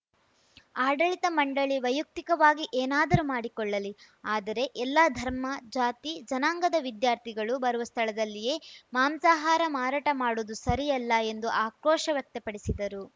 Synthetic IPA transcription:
aːɖɐɭit̪ɐmɐɳɖɐɭiʋɐjuk̚t̪ikɐʋaːɡiʔeːnaːd̪ɐɾumaːɽikɔɭːɐli | aːd̪ɐɾe̞ʔɛlːɐd̪ʱɐɾmɐd͡ʒaːt̪id͡ʒɐnaːŋɡɐd̪ɐʋid̪jaːɾt̪ʰiɡɐɭubɐɾuʋɐst̪ʰɐɭɐd̪ɐlːije̞ːmaːmsaːɦaːɾɐmaːɾaːʈɐmaːɽoːd̪usɐɾijɐlːɐe̞nd̪uʔaːkɾɔːʂɐʋjɐk̚t̪ɐpɐɽisid̪ɐɾu

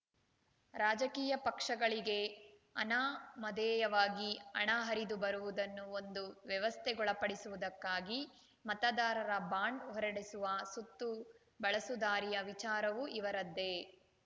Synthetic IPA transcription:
ɾaːd͡ʒɐkiːjɐpɐkʂɐɡɐɭiɡe̞ | ɐ̰naːmɐd̪ɛːjɐʋaːɡiɐ̰ɳaːɦɐɾid̪ubɐɾuʋud̪ɐnːuond̪uʋjɛʋɐst̪ʰɛɡɔɭɐpɐɽisuʋud̪ɐkːaːɡi | mɐt̪ɐd̪aːɾɐɾɐbaːɳɖɦɔɾɐɽisuʋɐsut̪ːu | bɐɭɐsud̪aːɾijɐʋit͡ʃaːɾɐʋuʔiʋɐɾɐd̪ːe̞

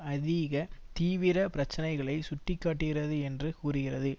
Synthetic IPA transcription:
ɐðɪɣɐt̪iːʋɪɾɐpɪɾɐt͡ʃːɐnɐɪɣɐɭɐɪsʊʈːɪkːaːʈːɪɣɪɾɐðɯɛndrɯkuːrɯɣɪrɐðɯ

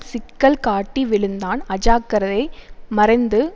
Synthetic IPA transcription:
sɪkːɐlkaːʈːiʋɪɭɯnd̪aːnɐd͡ʒaːkːɐɾɐðɐɪmɐɾɐɪnd̪ɯ

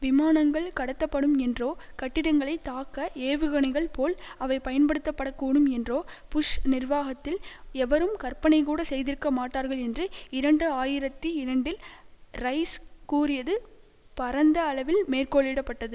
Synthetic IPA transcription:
ʋɪmaːnɐŋɡɐɭkɐɽɐt̪ːɐpːɐɽɯmɛndroːkɐʈːɪɽɐŋɡɐɭɐɪt̪ːaːkːɐeːʋɯɣɐɳɪɣɐɭpoːlɐʋɐɪpɐjɐnpɐɽɯt̪ːɐpːɐɽɐkːuːɳɯmɛndroːpʊʂnɪrʋaːɣɐt̪ːɪlɛʋɐɾɯmkɐrpɐnɐɪkuːɽɐsɛjðɪɾɯkːɐmaːʈːaːɾɣɐɭɛndrɯɪɾɐɳɖɯaːjɪɾɐt̪ːiɪɾɐɳɖɪlrɐɪskuːrɪjɐðɯ | pɐɾɐnd̪ɐːɭɐʋɪlmeːrkoːɭɪɽɐpːɐʈːɐðɯ

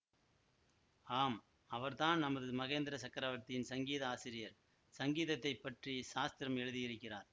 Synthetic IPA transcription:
aːm | ɐʋɐɾðaːnnɐmɐðɯmɐɣeːnd̪ɪɾɐsɐkːɐɾaːʋɐɾt̪ːɪjɪnsɐŋɡiːðɐaːsɪɾɪjɐɾ | sɐŋɡiːðɐt̪ːɐɪpːɐʈrisaːst̪ɪɾɐmɛɻɯðɪjɪrɯkːɪraːɾ

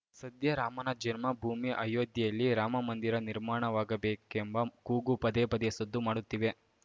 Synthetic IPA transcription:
sɐd̪jɐɾaːmɐnɐd͡ʒɐnmɐbʱuːmiʔɐjoːd̪jɐjɐlːiɾaːmɐmɐnd̪iɾɐniɾmaːɳɐʋaːɡɐbeːkembɐkuːɡupɐd̪epɐd̪eɐsɐd̪ːumaːɽut̪ːiʋe̞

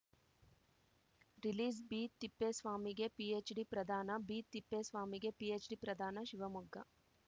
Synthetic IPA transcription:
ɾiliːsbiːt̪ipːesʋaːmiɡepiet͡ʃɖipɾɐd̪ʱaːnɐbit̪ipːesʋaːmiɡepiet͡ʃɖipɾɐd̪ʱaːnɐʃiʋɐmuɡːɐ

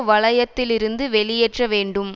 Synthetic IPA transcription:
ʋɐɭɐjɐt̪ːɪlɪɾɯnd̪ɯʋɛɭɪjɛʈrɐʋeːɳɖɯm

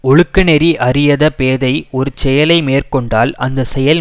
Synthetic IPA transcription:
ɔɻɯkːɐnɛɾiʔɐrɪjɐðɐpeːðɐɪɔɾɯt͡ʃɛjɐlɐɪmeːrkɔɳɖaːlɐnd̪ɐsɛjɐl

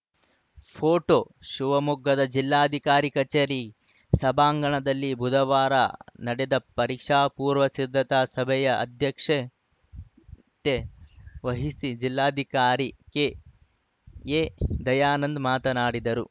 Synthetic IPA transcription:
pʰoːʈoː | ʃuʋɐmuɡʱːɐd̪ɐd͡ʒilːaːd̪ʱikaːɾikɐt͡ʃeːɾi | sɐbaːŋɡɐɳɐd̪ɐlːibʱud̪ʱɐʋaːɾɐ̰nɐɽɛd̪ɐpɐɾiːkʂaːpuːɾʋɐsid̪ʱːɐt̪aːsɐbʱɛjɐʔɐ̰d̪ʱjɐkʂe | t̪eʋɐɦisid͡ʒilːaːd̪ʱikaːɾike | ed̪ɐjaːnɐnd̪maːt̪ɐnaːɽid̪ɐɾu

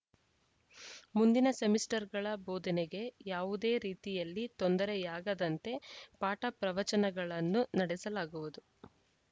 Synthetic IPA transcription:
mund̪inɐsemisʈɐɾɡɐɭɐboːd̪ɐneɡe̞jaːʋud̪e̞ːɾiːt̪ijɐlːit̪ond̪ɐɾejaːɡɐd̪ɐnt̪e̞paːʈɐpɾɐʋɐt͡ʃɐnɐɡɐɭɐnːunɐɽɛsɐlaːɡuʋud̪u

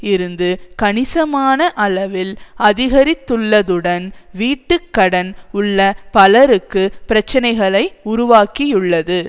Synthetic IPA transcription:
ɪɾɯnd̪ɯkɐnɪsɐmaːnɐʔɐlɐʋɪlɐðɪɣɐɾɪt̪ːɯɭːɐðɯɽɐnʋiːʈːɯkːɐɽɐnʊɭːɐpɐlɐɾɯkːɯpɪɾɐt͡ʃːɐnɐɪɣɐɭɐɪʊɾʊʋaːkijɯɭːɐðɯ

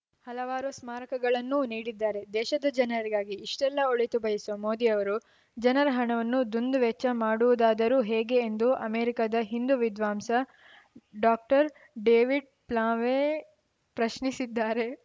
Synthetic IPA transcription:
hɐlɐʋaːɾusmaːɾɐkɐɡɐɭɐnːuniːɽid̪ːaːɾe̞d̪ɛːʃɐd̪ɐd͡ʒɐnɐɾiɡaːɡiːʂʈɛlːɐoɭit̪ubɐjɐsuɐmoːd̪iɐʋɐɾu | d͡ʒɐnɐɾɐɦɐɳɐʋɐnːud̪und̪uʋɛt͡ʃːɐmaːɽuʋud̪aːd̪ɐɾuːɦɛːɡe̞ːnd̪uʔɐmeːɾikad̪ɐɦind̪uʋid̪ʋaːmsɐ | ɖaːk̚ʈɐɾ | ɖeːʋiɖ̚ | plãːʋe | pɾɐʃnisid̪ːaːɾe̞

